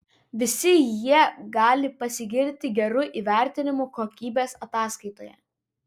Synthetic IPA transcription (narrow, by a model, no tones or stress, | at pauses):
ʋʲɪsʲɪjiɛɡɑːlʲɪpɐsʲɪɡʲɪɾʲt̪ʲɪɡʲɛɾʊʔiːʋʲæˑɾʲt̪ʲɪnʲɪmuːkoːkʲiːbʲeːsɐt̪ɑːskɐɪt̪oːjɛ̰